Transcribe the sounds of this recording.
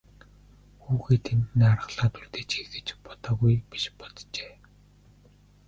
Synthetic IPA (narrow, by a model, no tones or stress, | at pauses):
xuːxeːt̪ʰent̪niarə̆ɮ̥aːt̪ʰurt̪eːt͡ɕexɘ̆t͡ɕpɔ̥t̪ɔːɣujpi̥ʃpɔ̥t̪t͡ɕeː